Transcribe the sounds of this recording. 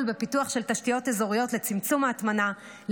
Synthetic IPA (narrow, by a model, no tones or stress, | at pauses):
lbe̞pituaχʃe̞ltaʃtijote̞zoʁijo̞tle̞t͡simt͡sumaːt̪mana | l